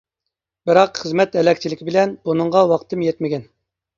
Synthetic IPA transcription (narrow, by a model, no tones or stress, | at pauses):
bɪɾɑqχəzmɛt̪ɛlɛkʲt͡ʃʰilɪkʲʰibɪlɛnb̥unɨɴʁɑwɑqt̪ʰɨmjɛt̪mɪɡʲɛn